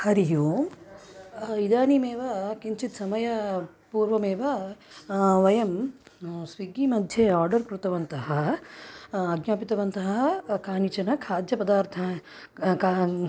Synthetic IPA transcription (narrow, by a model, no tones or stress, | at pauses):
hɐɾiɦoːm | id̪aːnimeːʋɐkiɲt͡ʃit̪sɐmɐjɐ | puːɾʋɐmeːʋɐ | ʋɐjɐm | sʋiɡiːmɐd̪ʱjeːaːɾɖɐɾkɾut̪ɐʋɐnt̪ɐɦɐ | ɐɡnaːpit̪ɐʋɐnt̪ɐɦɐkaːnit͡ʃɐnɐkʰaːd̪jɐpɐd̪aːɾt̪ʰɐ | ka